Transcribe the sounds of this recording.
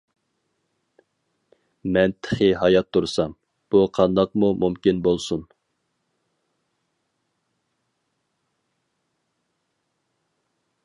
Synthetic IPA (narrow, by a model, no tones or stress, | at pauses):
mɛnt̪ʰχɪɦɑjɑt̪ʰːuɾsɑm | b̥uqʰɑnd̪ɑqmumumkʲinbolˠsun